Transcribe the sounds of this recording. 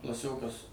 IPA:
klˠɐˈsʲoːkɐs

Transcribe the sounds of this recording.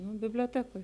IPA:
nʊ bʲɪbʲlʲoːˈtʲæːkoːj

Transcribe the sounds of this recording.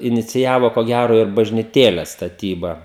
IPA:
ɪnʲɪt͡sʲɪˈjæːʋoː koː ˈɡʲæroː ɪr bɐʒʲnʲɪˈtʲeːlʲɛs stɐˈtʲiːbɐ

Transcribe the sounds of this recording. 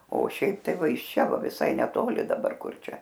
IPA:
oː ˈʃʲɛɪp ˈtɐɪ ˈʋɐ ɪʃ ˈt͡ʃʲɛ ˈʋɐ ʋʲɪˈsɐɪ nʲɛˈtoːlʲɪ dɐˈbɐr ˈkʊr ˈt͡ʃʲɛ

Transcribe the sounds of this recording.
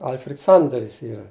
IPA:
ˈɐlʲfʲrʲɛt ˈsɐndɐrʲɪs ˈiːrɐ

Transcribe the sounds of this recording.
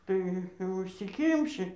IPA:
ˈtɐɪ ʊʃʲsʲɪˈkʲɪmʲʃʲɪ

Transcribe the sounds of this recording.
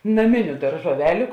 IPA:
nɐˈmʲɪnʲʊ dɐrʒuɔˈʋʲæːlʲʊ

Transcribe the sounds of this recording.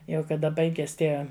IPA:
ˈjɛʊ kɐˈdɐ ˈbɐɪɡʲɛs ˈtʲiɛ

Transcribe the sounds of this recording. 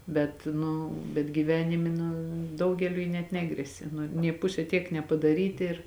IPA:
ˈbʲɛt ˈnʊ bʲɛt ɡʲiːˈʋʲæːnʲɪmʲɪ nʊ ˈdɐʊɡʲɛlʲʊɪ nʲɛt ˈnʲæːɡrʲɛsʲɛ ˈnʊ nʲeː ˈpʊsʲɛ tʲiɛk nʲɛpɐdɐˈrʲiːtʲɪ ɪr

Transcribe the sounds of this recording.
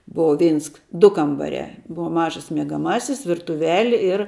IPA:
ˈboːʋɐ ˈʋʲɛɪns ˈdʊ kɐmbɐˈrʲæː ˈbʊʋɐ ˈmɑːʒɐs mʲiɛɡɐˈmɑːsʲɪs ʋʲɪrtʊˈʋʲæːlʲɪ ɪr

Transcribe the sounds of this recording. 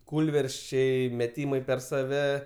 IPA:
ˈkuːlʲʋʲɛrʲsʲt͡ʃʲɛɪ mʲɛˈtʲiːmɐɪ pʲɛr sɐˈʋʲɛ

